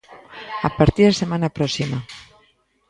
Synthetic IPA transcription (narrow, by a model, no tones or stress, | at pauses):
apaɾt̪iðasemãnapɾɔsima